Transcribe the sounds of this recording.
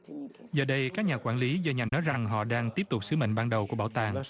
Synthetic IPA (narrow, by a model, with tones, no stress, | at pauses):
zəː˨˩ɗə˧jkaː˦˥k̚ɲaː˨˩kwaː˧˩nli˨˦zɔ˧ɲaː˨˩ŋnɔ˨˦jza˨˩ŋɦɔ̰˧˨ɗaː˧ŋt̪i˦˥əp̚t̪ʊ˨˩k͡p̚sɨ˨˦mə̰˧˨ŋ̟ɓaː˧nɗə˨˩wku˧˩əɓaː˧˩wt̪aː˨˩ŋ